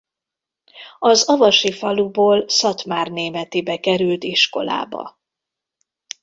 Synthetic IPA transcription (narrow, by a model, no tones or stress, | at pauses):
ɒzɒvɒʃifɒluboːlsɒt̪maːrneːmɛt̪ibɛkɛɾylt̪iʃko̞̰la̰ːbɒ̰